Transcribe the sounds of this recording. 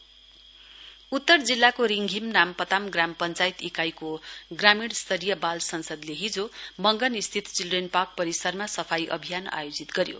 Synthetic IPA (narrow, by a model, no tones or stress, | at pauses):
ut̪ːʌrd͡zilːakoɾiŋɡʱimnampʌt̪amɡrampʌnt͡sajt̪ikajkoɡramiɽst̪ʌɾijʌbalsʌnsʌd̪leɦid͡zomʌŋɡʌnist̪ʰit̪t͡sildrenpak̚pʌɾisʌrmasʌpʰajʔʌ̰bʱijana̰jod͡zit̪ɡʌɾjo̰